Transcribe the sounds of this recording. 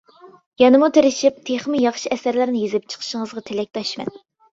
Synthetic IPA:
jɑnɨmut̪ʰeɾɪʃip̚t̪ʰeχmɪjɑχʃiɛsæɾlɪɾnɪjezɪp̚t͡ʃʰə̥qʰə̥ʃəŋəzʁɑt̪ʰelɛk̚ʲt̪ʰɑʃmɛ̰n

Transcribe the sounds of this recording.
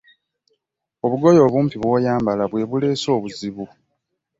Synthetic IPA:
o̞βuɡo̞jo̞ːβuːmpiβwoːjaːmbalaβwe̞βule̞ːso̞ːβuziβu

